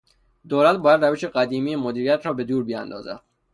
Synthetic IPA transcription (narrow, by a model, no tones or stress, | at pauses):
d̪oːlæt̪̚bɒːjæd̪ræveʃe̞ɢæd̪iːmiːjemod̪iːɾijæt̪ʰɾɒːbe̞d̪uːɾbiæ̰nd̪ɒ̰ːzæ̰d̪̥̚